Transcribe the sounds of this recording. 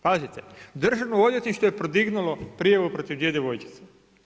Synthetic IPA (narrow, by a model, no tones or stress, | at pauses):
pazit̪ed̪r̩ʒaʋnood̪jet̪niʃt̪ojepɾod̪iɡnulo̞pɾijaʋupɾo̞t̪iʋd̪jed̪eʋo̞jt͡ʃi̥t̪se̥